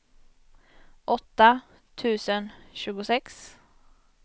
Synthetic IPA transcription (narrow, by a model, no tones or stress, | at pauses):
ʔɔt̪ːa | t̪ʰʉ̟ːsənɕʉ̟ːɡʊsɛks